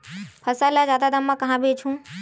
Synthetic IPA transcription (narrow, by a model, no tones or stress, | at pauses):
pʰəsalad͡ʒaːd̪ad̪amːãkəɦãbʱet͡ʃʰũ